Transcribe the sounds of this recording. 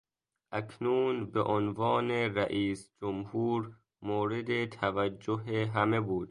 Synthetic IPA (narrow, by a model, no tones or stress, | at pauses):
ʔækʰnuːnbeʔonvɒːneɾæʔiːsd͡ʒomhuːɾ | moːɾed̪et̪ʰævæd͡ʒːoɦeɦæme̞buːd̪̥